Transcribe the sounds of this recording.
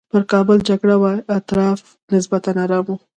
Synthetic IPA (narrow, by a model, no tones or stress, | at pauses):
pəɾkɑbəld͡ʒaɡɽawaat̪ɾɑf | nɪsbat̪anaɾɑmu